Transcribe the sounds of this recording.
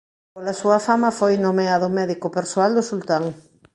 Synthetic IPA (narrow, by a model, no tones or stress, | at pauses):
polasuafamafojnomeaðomeðikopeɾsoald̪osult̪aŋ